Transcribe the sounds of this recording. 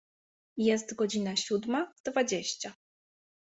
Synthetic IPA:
jɛst̪ɡɔd͡ʑinaɕud̪mad̪vad͡ʑeɕt͡ɕa

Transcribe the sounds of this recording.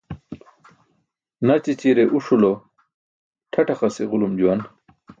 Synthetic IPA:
nɐt͡ɕit͡ɕiɾeʔuʂulo | ʈʰɐʈɐχɐseʁulumd͡ʑuwɐn

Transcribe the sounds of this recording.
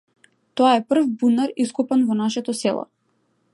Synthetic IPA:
t̪ɔaɛpr̩vbunaɾiskupanvɔnaʃɛt̪ɔsɛlˠɔ̰

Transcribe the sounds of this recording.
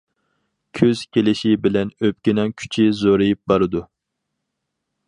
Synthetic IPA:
kʲʰøz̥kʲʰelɪʃibɪlɛnøp̚kʲɪnɛŋkʲʰy̥t͡ʃʰiɪzoɾɨjip̚bɑɾɨd̪u

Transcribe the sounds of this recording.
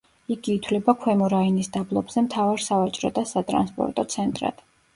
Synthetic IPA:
iɡiːt̪ʰwlɛbakʰwɛmɔɾainisd̪ablˠɔbz̥ɛmt̪ʰavaɾsavat͡ʃʼɾɔd̪asat̪ʼɾa̰nspʼɔ̰ɾt̪ʼɔt̪sʰɛnt̪ʼɾa̰d̪̥

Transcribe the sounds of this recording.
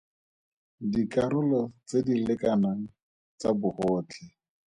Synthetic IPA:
dikaɾʊlɔt͡sedilɪkanaŋ̩ | t͡sabʊhɔːt͡ɬʰɪ

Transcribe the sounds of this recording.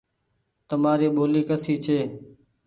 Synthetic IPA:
t̪əmaːɾiːɓoːliːkəsiːt͡ʃʰeː

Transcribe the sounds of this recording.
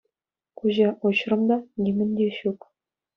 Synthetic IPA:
kuʑɑʔoɕrɤ̆md̪ɑnʲimʲɘ̆nʲd̪ʲeɕuk

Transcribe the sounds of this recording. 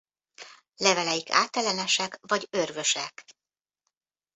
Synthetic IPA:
lɛvɛlɛjikʰa̰ːt̪ɛlɛnɛʃɛkvɒɟørvøʃɛk

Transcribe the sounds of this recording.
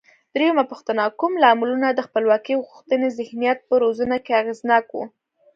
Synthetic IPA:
d̪̥ɾejamapuxt̪ənakumlɑmulunad̪əxpəlwɑkiɣɣuxt̪ənezɪhnijat̪̚pəɾozunakeaɣeznɑkwṵ

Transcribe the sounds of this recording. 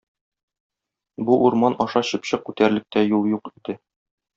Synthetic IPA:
buʔuɾmɑnɒʃɑɕɤ̆pɕɤq̚kʉt̪æɾlɘ̆k̚t̪æjulˠjuqid̪̥ɘ

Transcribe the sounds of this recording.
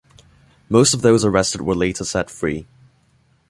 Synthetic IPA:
moʊstʌvðoʊzə˞ɛstɨd̚wə˞leɪtʰəsɛtfɹḭ

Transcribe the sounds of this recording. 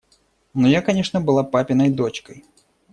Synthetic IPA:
nɔjakɐnʲɛʂnəbɨlˠapapʲɪnəjd̪ot͡ɕkəj

